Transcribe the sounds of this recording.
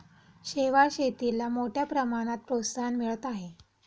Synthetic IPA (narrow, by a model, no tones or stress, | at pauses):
ɕeʋaɾɕet̪ilamoʈʰjapɾəmaɽ̃at̪̚pɾot̪st̪ʰanmiɭət̪aɦe